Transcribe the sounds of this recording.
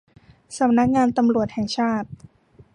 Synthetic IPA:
sa˩˦mna˦˥k̚ŋaː˧nt̪a˧mɾu˨˩ət̪̚hɛ˨˩ŋt͡ɕʰaː˥˩t̪̚

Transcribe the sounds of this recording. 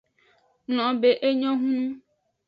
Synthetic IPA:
nl̃ɔ̃˨be˦ʔe˦ɲɔ̃˦ɦũ˦nũ˦

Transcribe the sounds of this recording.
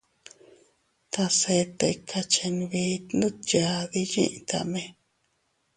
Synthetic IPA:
t̪a˧se˧t̪e˧i˧kʰa˧t͡ʃe˧nĩ˧βi˧˦nũ˦ja˧ði˧jḭ̃˦ʔt̪a̰˧mẽ˧

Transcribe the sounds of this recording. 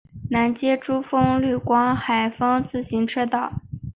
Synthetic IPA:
na˧˥nt͡ɕjɛ˥ʈ͡ʂu˥fɤ˥ŋly˥˩kwɑ˥ŋxa˨˩ɪfɤ˥ŋt͡sɹ̩˥˩ɕi˧˥ŋʈ͡ʂʰɤ˥t̪ɑ˥˩ʊ

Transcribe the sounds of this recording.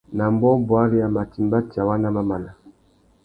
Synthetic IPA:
na˨mbɔ˦bwa˦li˦ja˨ma˨ti˨mba˦ti˨a˨wa˦na˦ma˦ma˨na˨

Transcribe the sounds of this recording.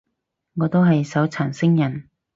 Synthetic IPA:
ŋɔː˨˧t̪o˥wɦɐ˨jsɐ˨˥wt͡sʰaː˨˩nsɪ˥ŋjɐ˨˩n

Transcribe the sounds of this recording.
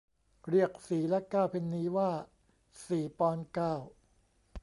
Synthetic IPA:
ɾi˥˩ək̚siː˩˦lɛ˦˥kaː˥˩wpʰe˧nːiː˦˥waː˥˩ | siː˨˩˦pɔː˧nkaː˥˩w

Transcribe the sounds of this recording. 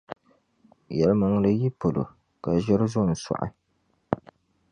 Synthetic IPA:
jɛ˨lɨ˦ma˨ŋlɨ˦ji˦po˨lo̰˨ | ka˨ʒɛ˦ɾɨ˦zʊ˦˨n̩˨sa̰˨ʔa̰˨

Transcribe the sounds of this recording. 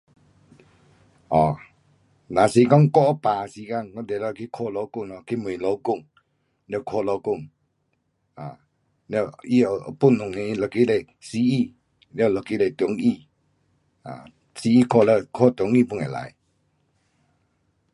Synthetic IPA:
ʔɔ˨ | nã˨si˧˦kɔ˦˨ŋ˦kɔ˦˨ʔə˧˦paː˨˧si˧˦ka˧˨ŋkɔ˧˦dɛ˨lɔ˧˨kʰi˦kʰɔ˧˨lɔ˧˦kʊ˧˨ŋlɔ˧˦kʰi˦˨mə˨lɔ˨˧˦kʊ˥˧˨ŋ | lɛ˧˨kʰɔ˧˨lɔ˧˦kʊ˦˧˨ŋ | a˨ | lɛ˧˨ʔi˦˧˨ə˧ə̰˧˦pu˦˧˨nʊ˨ŋnẽ˧˦˧lɔ˧˨ki˦lɛ˧˨ | si˧˦i˧˨ | lɛ˦˧˨lɔ˧˨ki˧˦lɛ˨t̪u˨˦ŋi˧˨ | a̰˨ | si˧˦i˧˨kʰɔ˧˨lə˧kʰɔ˧˦˨t̪u˨˦ŋi˦˧˨pu˧˨ŋɛ˨la̰˨˦j

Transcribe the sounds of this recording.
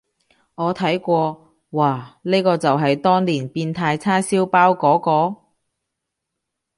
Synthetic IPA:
ŋɔː˨˧t̪ʰɐ˨˥jkʷɔː˧ | waː˨˩ne˥kɔː˧t͡sɐ˨wɦɐ˨jt̪ɔː˥ŋliː˨˩npiː˧nt̪ʰaː˧jt͡sʰaː˥siː˥wpaː˥wkɔː˨˥kɔː˧

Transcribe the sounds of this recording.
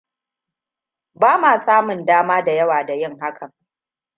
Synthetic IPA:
baː˦maː˨saː˦mʊ˨ndaː˦maː˦da˨jɐ˦waː˨da˨jɪ˦ŋɦa˦kʰɐ˨ŋ

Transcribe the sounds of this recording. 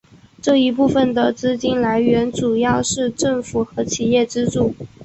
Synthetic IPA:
ʈ͡ʂɤ˥˩i˧˥p̬u˥˩fə˩nd̪ə˩t͡sɹ̩˥t͡ɕi˥nla˧˥ɪɥɛ˧˥nʈ͡ʂu˨˩jɑ˥˧ʊʂɻ̩˥˧ʈ͡ʂɤ˥˩ŋfu˨˩xɤ˧˥t͡ɕʰi˨˩jɛ˥˩ʈ͡ʂɻ̩˥ʈ͡ʂu˥˩

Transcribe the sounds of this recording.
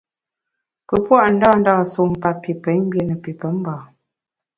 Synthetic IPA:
pə˨pwa˦˨ʔn̩˦dɔː˦˨n̩˦daː˦˨so˨m̩˨pa˦˨pːi˨pə˨˦ɲm̩˦bje˦nə˨pi˨pə˨˦m̩˦baː˨

